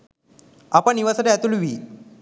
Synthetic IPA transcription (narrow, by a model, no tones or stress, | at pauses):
apãniʋasatat̪ulʋiː